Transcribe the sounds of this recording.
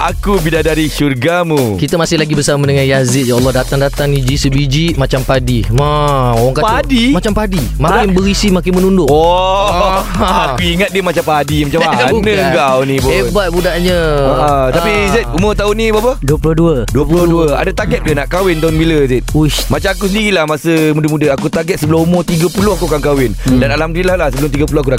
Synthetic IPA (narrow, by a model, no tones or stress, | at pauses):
ʔa̰kubidadaɾiʃurɡamukit̪əmasɪhlaɡibərsaməmənəŋajazɪt̪̚jaɔlːɔhdat̪aŋdat̪aŋid͡ʒisəbid͡ʒiʔmat͡ʃampadimaowaŋkaadimat͡ʃampadimakɪnbəɾisimakɪnmənundʊʔɔ | akuiŋat̪̚diəmat͡ʃampaadimat͡ʃamanəɡawnibahebat̪̚budaʔɲəəʔət̪apiset̪̚umot̪aʊnĩbapəduəpulʊduəduəpuloduəa̰dat̪aɡɛt̪̚kanaʔkawɪnt̪aʊnbiləsɛt̪̚umat͡ʃamakusəndiɾilahmasəmudəmudəakut̪aɡɛt̪̚səbəlʊmumot̪iɡəpulʊhakuakankawɪndanalamdilahlahsəbəlʊmt̪iɡəp̬ulohakunaʔ